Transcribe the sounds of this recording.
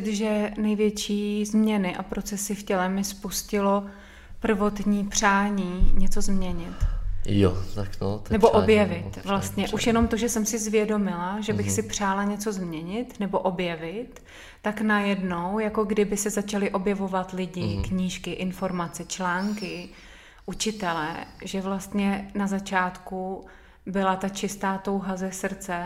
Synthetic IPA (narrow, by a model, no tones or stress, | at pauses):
ɪt̪ʒɛnɛjvjɛt͡ʃiːzmɲɛnɪʔa̰pɾo̞t͡sɛsɪfcɛlɛmɪspuscɪlo̞ | pr̩vo̞t̪ɲiːpr̝̥aːɲiːɲɛt͡so̞zmɲɛɲɪt̪jo̰t̪aknot̪nɛboʔobjɛvɪt̪vlast̪ɲɛʔuʃjɛno̞mt̪o̞ʒɛsɛmsɪzvjɛdo̞mɪlaʒɛbɪxsɪpr̝̥aːlaɲɛt͡so̞zmɲɛɲɪt̪nɛbo̞ʔo̞bjɛvɪt̪ː | aknajɛdno̞wjako̞ɡdɪbɪsɛzat͡ʃalɪʔo̞bjɛvo̞vat̪lɪɟɪkɲiːʃkɪʔɪnfo̞ɾmat͡sɛt͡ʃlaːŋkɪ | ʔut͡ʃɪt̪ɛlɛ̰ʒɛvlast̪ɲɛnazat͡ʃaːt̪ku | bɪlat̪at͡ʃɪst̪aːt̪o̞wɦazɛsr̩t͡sɛ